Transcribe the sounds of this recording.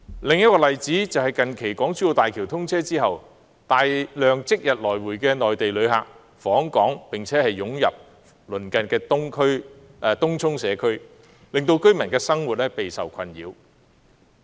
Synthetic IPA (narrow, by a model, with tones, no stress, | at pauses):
lɪ˨ŋjɐ˥t̚kɔː˧lɐ˨jt͡siː˨˥t͡sɐ˨whɐ˨˩jkɐ˨nkʰe˨˩jkɔː˨˥ŋt͡syː˥jo˨˧wt̪aː˨jkʰiː˨˩wt̪ʰʊ˥ŋt͡sʰɛː˥t͡siː˥ɦɐ˨w | t̪aː˨jlœː˨ŋt͡sɪ˥k̚jɐ˨t̚lɔː˨˩jwuː˨˩jkɛː˧nɔː˨jt̪e˨jlɵ˨˧ɥɦa̰ː˨k̚ | fɔː˨˥ŋkɔː˨˥ŋpɪ˨ŋt͡sʰɛː˨˥hɐ˨jːʊ˨˥ŋjɐ̰˨p̚ | lɵ˨˩nkɐ˨nkɛː˧˥ŋkʰɵ˥˧t̪ʊ˥ŋt͡sʰʊ˥ŋsɛː˨˧kʰɵ˥ɥ | lɪ˨ŋt̪o˧wkɵ˥ɥmɐ˨˩nkɛː˧sɐ˥ŋwu˨t̚lɛː˥pe˨jsɐ˨wkʰɐ˧njḭː˨˧w